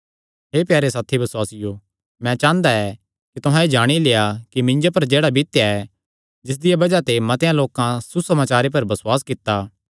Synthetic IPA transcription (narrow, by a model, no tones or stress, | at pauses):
ɦeːpjaːɾesaːt̪ʰibɐswaːsɪjo | mɛ̃t͡ʃãːnd̪aɛ | kit̪ʊɦãed͡ʒaːɽ̃ileːakimɪ̃ɲd͡ʒopɐɾd͡ʒeːɽabʱit̪jaɛ | d͡ʒɪs̬d̪ɪjabɐd͡ʒat̪emɐt̪ejãloːkãsusɐmaːt͡ʃaːɾep̬ɐɾbɐswaːskɪt̪ːaː